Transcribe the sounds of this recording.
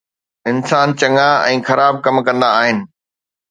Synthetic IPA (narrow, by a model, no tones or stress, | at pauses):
ɪnsaːnt͡ɕɐŋaɛ̃ːxɐɾaːb̚kɐmkɐ̃nd̪aːɦɪnɪ̆